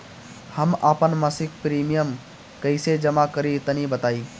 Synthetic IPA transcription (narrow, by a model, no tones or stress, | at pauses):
həmaːpənməsik̚pɾimijəm | kəɪsed͡ʒəmakəɾit̪ənibət̪aːi